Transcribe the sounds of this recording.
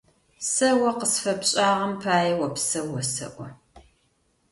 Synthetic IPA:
sɐwɐqəsfɐpɕʼaːʁɐmpʰaːjɛwɐpsɐwɔsɐ̰ʔʷɔ

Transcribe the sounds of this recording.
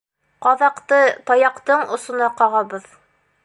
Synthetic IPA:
qɑðɑqt̪ɤt̪ɑjɑqt̪ɤɴŏsŏnɑqɑʁɑbɤð

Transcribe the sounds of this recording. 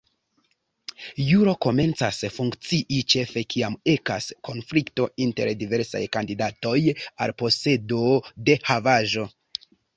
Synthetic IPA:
juɾo̞ko̞me̞nt͡sasfuŋkt͡siʔit͡ʃe̞fe̞kʰiame̞ka̰skʰo̞nflikto̞inte̞̰ɾdive̞ɾsa̰jkandidato̞ja̰lpo̞se̞do̞de̞havaʒo̞

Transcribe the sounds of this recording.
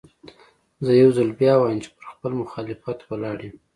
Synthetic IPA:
zəjawzalbjɑwɑjəmt͡ʃe̥pəɾxpəlmʊxɑlɪfat̪wəlɑɽem

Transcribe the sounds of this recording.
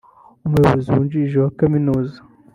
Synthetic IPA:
umujoβoziwund͡ʒiʒewakaminuːzḁ

